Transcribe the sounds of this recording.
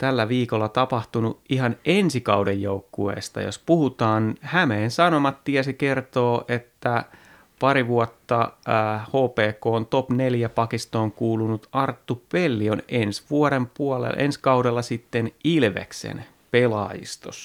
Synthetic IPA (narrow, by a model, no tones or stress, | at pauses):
t̪ælːæʋiːkolːɑt̪ɑpɑht̪unuʔiɦɑnʔensikɑudejjoukːuḛːst̪ɑ̰jo̰spuhut̪ɑːnhæmeːnsɑnomɑt̪t̪iɛsikert̪oːʔet̪ːæ | pɑɾiʋuot̪ːɑhoːpeːkoːnt̪opneljæpɑkist̪oːŋkuːlunut̪ʔɑrt̪ːupelːionensʋuoɾempuolḛʔḛnskɑudelːɑsit̪ːenilʋḛksḛn | pelɑ̰ːjḭst̪o̰s